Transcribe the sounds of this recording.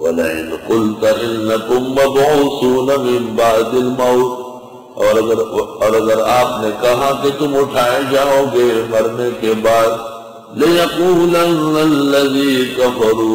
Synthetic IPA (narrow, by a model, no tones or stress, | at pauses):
wɐlaɪ̰nqʊlt̪ɐʔɪnːɐt̪ʊmːɐbɐɦʊt̪suːnamɪnbaːd̪ɪlmɐːt̪ | ɔːɾɐɡəɾɔːɾɐɡəɾaːpnekɐɦãket̪ʊmʊʈʰaːẽd͡ʒaːɦoːɡemɐɾnekebaːd̪ | lɪjɐquːlɐnɐlːɐziːkɐfɐɾuː